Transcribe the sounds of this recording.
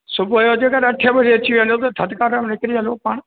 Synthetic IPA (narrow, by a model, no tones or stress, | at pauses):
sʊbʱʊɐjod͡ʑeːkaɗɐʈʰəbɐd͡ʑeɐt͡ɕiʋẽnd̪ot̪ɐt̪ʰɐd̪kaːɾəmnɪkɪɾiɐlopaːɽ̃